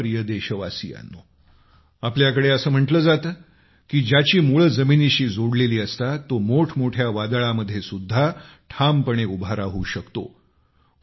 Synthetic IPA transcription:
ɾijəd̪eɕəʋasḭja̰nːo | apljakəɽeəsəːm̤əɳʈləːd͡zat̪əː | kiːd͡ʑjat͡ɕiːmuɭəd͡zəminiɕiːd͡zoɽleliːəst̪at̪ːomoʈʰmoʈʰjaʋad̪ɭaməd̪ʱːjesud̪ʱːaʈʰampəɳ̃eubʱaɾaɦuːɕəkt̪o̰

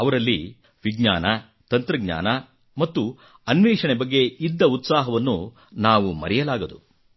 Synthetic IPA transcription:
ɐʋɐɾɐlːi | ʋiɡɲaːnɐ | t̪ɐnt̪ɾɐɡɲa̰ːnɐ | mɐt̪ːu | ɐnʋiːʂɐɳebɐɡːe̞id̪ːɐut̪saːɦɐʋɐnːu | naːʋumɐ̰ɾɛjɐlaːɡɐd̪u

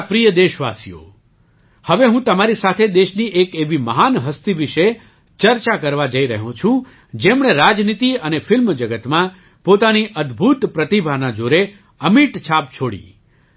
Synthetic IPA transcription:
pɾijəd̪eʃʋa̰sijo̰ | həʋeɦũt̪əmaɾisat̪ʰed̪eʃniʔekeʋiməɦanɦəst̪iʋiʃe | t͡ʃəɾt͡ʃakəɾʋad͡ʒəiɾəɦũt͡ʃʰũ | d͡ʒemɽ̃eɾad͡ʒnit̪iənefɪlmd͡ʒəɡət̪mã | pot̪aniʔəd̪bʱut̪pɾət̪ibʱanad͡ʒoɾe | əmiʈt͡ʃʰap̚t͡ʃʰoɽḭ

